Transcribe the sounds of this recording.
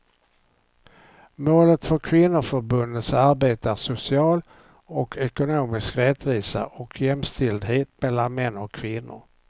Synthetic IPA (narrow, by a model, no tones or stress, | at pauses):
moːlət̪fœɾkʰvɪnːʊfœɾbɵnd̪ət̪saɾbeːt̪əæʂʊsɪɑːl | ɔkʰɛkʊnoːmɪskɾɛt̪viːsa̰ʔɔkʰjɛmst̪ɪld̪ɦeːt̪mɛlːanmɛnːɔkʰːvɪnːʊ̰ɾ